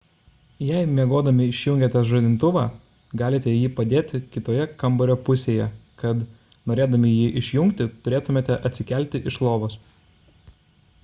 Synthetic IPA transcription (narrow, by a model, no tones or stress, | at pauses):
jɛɪmʲiɛɡoːd̪ɐmʲɪɪʃʲjʊŋʲɡʲɛːt̪ʲɛsʒod̪ʲɪnt̪ʊʋɑː | ɡɑːlʲɪt̪ʲɛjiːpɐd̪ʲeːt̪ʲɪkʲɪt̪oːjɛkɐmbɔɾʲoːpʊsʲeːjɛkɐt̪ | noːɾʲeːd̪ɐmʲɪjiːʔɪʃʲjʊŋʲkt̪ʲɪt̪ʊɾʲeːt̪ʊmʲeːt̪ʲɛʔɐt̪ʲsʲɪkʲɛˑlʲt̪ʲɪʔɪʃlˠoːʋoːs